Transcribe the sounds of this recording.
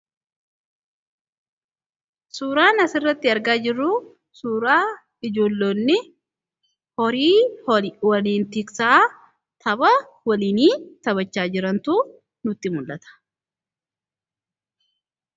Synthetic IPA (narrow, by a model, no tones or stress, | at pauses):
suːɾaːnɐsɪrːɐt̪ːɪɐɾɡaːd͡ʒɪrːu | suːɾaː | ɪd͡ʒo̞ːlːoːnːɪ | hɔɾiː | wɐliːnt̪ɪksaː | t̪ʰɐbɐ | wɐliːniːt̪ɐβɐt͡ʃːaːd͡ʒɪɾɐnt̪uː | nʊt̪ːɪmʊlːɐt̪ɐ̥